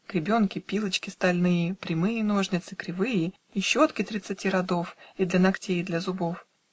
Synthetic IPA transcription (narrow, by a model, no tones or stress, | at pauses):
kɾʲɪbʲo̞nkʲɪpʲilˠət͡ɕkʲɪst̪ɐlʲnɨjəpɾʲɪmɨjəno̞ʐnʲɪt̪sɨkɾʲɪvɨjə | iɕːot̪kʲɪt̪ɾʲɪt̪sɨtʲiɾɐd̪o̞fid̪lʲɐnɐktʲejd̪lʲɐzʊbof